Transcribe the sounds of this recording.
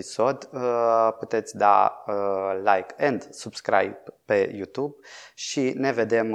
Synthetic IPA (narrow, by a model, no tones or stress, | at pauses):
iso̞d̪əput̪e̞t̪sʲd̪a̰əlajkɨnd̪subskɾa̰jppe̞jut̪ub̚ʃine̞ve̞d̪e̞m